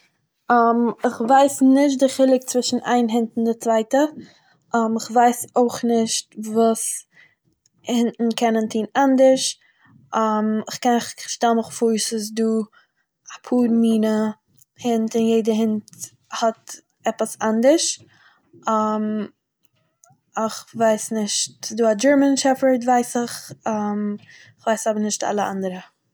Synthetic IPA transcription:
amɪχvaɪsnɪʃ̬t̚dɪχɪlˠɪk̚t͡svɪʃn̩ʔa̰ɪnɦɪntn̩dɪt͡svaɪtə | ʔamɪχvaɪsoɪχnɪʃtvuːs | hɪntn̩kʰɛnəntʰiːnandəɾʃ | amɪχkɛnχʃtalməχfuːɾsʊsduː | apʰuːɾmiːnə | hɪntɪnjeɪdəɦɪnt | hɔt | ɛpəsandəɾʃ | am | ɪχvaɪsnɪʃtduːad͡ʒəɹmənʃɛfəɹtvaɪsɪχam | ɪχvaɪsabənɪʃta̰lˠəa̰ndəɾə

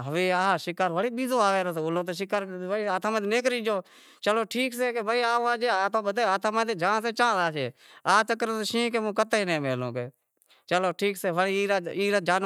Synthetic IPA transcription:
ɦəʋiːaːʃɪkaːɾʋəɽiːɓiːzoːaːʋeːɾoːseːʊlõːt̪̬oːʃ̬ɪkaːɾbiaːt̪ʰãːmːt̪ːneːkɾĩːd͡ʒoː | t͡ʃəloːʈʰiːkseːkebəiːaːaːd͡ʒeːaːt̪ʰõːbəd̪eːaːt̪ʰaːmãːt̪eːd͡ʒãːs̬eːt͡ʃãːdaːʃeːaːt͡ʃəkːɾet̪ːʃĩːkeːmũːkət̪ːinẽːmeːlõ̰ːkeː | t͡ʃəloːʈʰiːkseːʋəɽiːaiːɾad͡ʒaːn

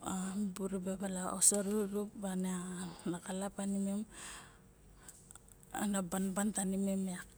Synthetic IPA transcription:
abuɾubebalaosoɾuɾupbaneanakalapanimem | a̰nabanbantanimemeak

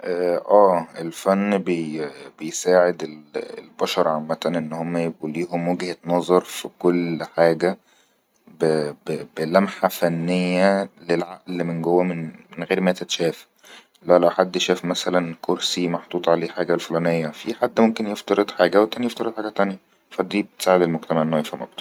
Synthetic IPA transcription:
ʔæʔæːʔelfænːbebejsaːʕed̪elḛlbɑʃɑɾˤʕamːæt̪ænʔenːhomːæjeɡʔuːliːɦomwæɡhet̪nɑzˤɑɾˤfikolħaːɡæ | bbebelæmħafænːejːælelʕa̰ʔlmenɡowːæmenmenɣeːɾmæːt̪et̪ʃæːf | lælæwħad̪ːʃæːfmæsælænkʰoɾsimɑħd̪ˤuːt̪ˤʕaleːħaːɡælfolæːnejːæfḭħad̪ːmomkenjeft̪ɑɾed̪ħaːɡæwet̪ːænjeft̪ɑɾed̪ħaːɡæt̪ænjæ | fæd̪iːbet̪e̥saːʕed̪elmoɡ̚t̪æmaʕʔenːohefæmʔɑ̰k̚t̪ˤː

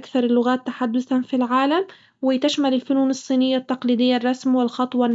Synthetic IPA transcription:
kθɑɾˤlːʊɣaːt̪ːaħad̪ːʊθanfilʕaːlam | wɪt̪aʃmalɪlfʊnuːnɨsˤːiːnɪjːat̪ːɑqliːd̪ɪjːarˤːɑsmwɪlxɑt̪ˤwɑn

